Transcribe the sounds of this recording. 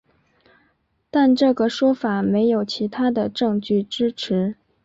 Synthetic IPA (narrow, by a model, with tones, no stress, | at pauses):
t̪a˥˧nʈ͡ʂɤ˥˩ɡə˩ʂwɔ˥fa˨˩˦me˧˥ɪjo˨˩ʊt͡ɕʰi˧˥t̪ʰa˥d̪ə˨ʈ͡ʂɤ˥˧ŋt͡ɕy˥˩ʈ͡ʂɻ̩˥ʈ͡ʂʰɻ̩˧˥